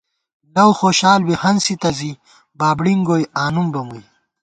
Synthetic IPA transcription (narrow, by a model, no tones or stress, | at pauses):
lɐwxoːɕaːlwihɐnsit̪ɐzi | baːbɽiŋɡoːjaːnumbɐmuj